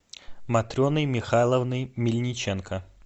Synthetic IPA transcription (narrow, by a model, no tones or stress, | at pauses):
mɐt̪ɾʲonɨjmʲɪxalˠəvnɨjmʲɪlʲnʲɪt͡ɕenkə